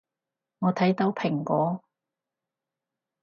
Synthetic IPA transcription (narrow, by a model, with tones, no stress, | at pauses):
ŋɔː˨˧t̪ʰɐ˨˥jt̪o˨˥wpʰɪ˨˩ŋkʷɔː˨˥